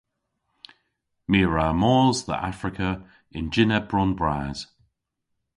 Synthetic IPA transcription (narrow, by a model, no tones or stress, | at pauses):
miːɹaːmɔːzðə̰ʔa̰fɹɪkʰə | ɪ̃nd͡ʒɪnɛb̥ɹɔnbɹaːz̥